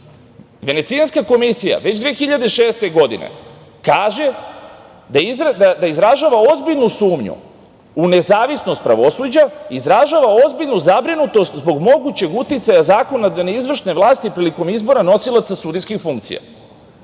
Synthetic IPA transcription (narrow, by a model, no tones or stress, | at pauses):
ʋe̞ne̞t̪sianskako̞misija̰ʋe̞t͡ɕd̪ʋeːxiʎad̪eʃe̞ːst̪e̞ɡo̞d̪ḭnḛ | kaːʒe̞ | d̪aizɾd̪ad̪aizɾaʒaːʋao̞zbiʎnusuːmɲṵ | une̞zaːʋisno̞st̪̚pɾa̰ʋo̞suːd͡ʑaizɾaʒaːʋao̞zbiʎnuzabɾinut̪o̞st̪zbo̞ɡmo̞ɡut͡ɕe̞ɡut̪it̪sajazaːko̞nad̪aneizʋr̩ʃne̞ʋlˠaːst̪ipɾiliko̞mizbo̞ɾano̞silˠat̪sasud̪iskixfuŋk̚t̪sḭja̰